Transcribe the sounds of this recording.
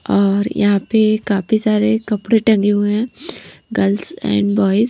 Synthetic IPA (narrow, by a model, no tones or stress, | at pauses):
ɔːɾjɐ̰ɦãpekaːfʰisaːɾekɐpɽeʈɐ̃ŋɡeɦueɦɛ̃ːɡɐlsɛ̰̃ːɳɖbɔːɪz